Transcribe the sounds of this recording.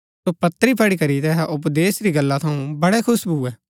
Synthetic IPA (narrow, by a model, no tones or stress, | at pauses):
soːpɐt̪ːəɾiːpʰɐɽikɐɾit̪ɛɦaʔʊpd̪eːsɾiːɡəlːat̪ʰɐũbɐɽɛkʰʊsbuːɛː